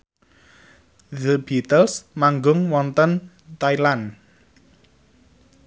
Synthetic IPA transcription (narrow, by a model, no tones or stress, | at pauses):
ðəbit̪əlsmaŋɡʊŋwɔnt̪ən | t̪ailan